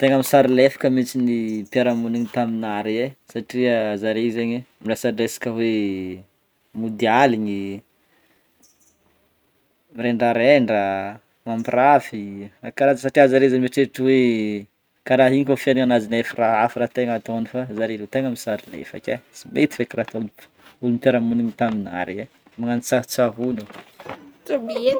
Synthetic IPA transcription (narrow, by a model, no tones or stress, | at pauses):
t̪eŋəmisaɾilefḁkʲəmit͡sinipjaɾamuniɲit̪aminaɾiesaʈ͡ʂiazaɾezeɲimilesaɖ͡ʐesḁkʲəwe | mud̪ialiɲi | mɾeɳɖ͡ʐaɾeɳɖ͡ʐə | mampirafiakaɾazəsaʈ͡ʂiazaɾezanimeʈ͡ʂeʈ͡ʂiwe | kaɾaɦiɲikʲofianiŋanazinefiraɦafiɾat̪eŋat̪onifazaɾilet̪eŋəmisaɾinḛfa̰kʲasimet̪i̥fekirat̪ol | ulumip̪aɾamuniɲit̪amina̰ɾie | maŋanit͡saɦt͡saɦunu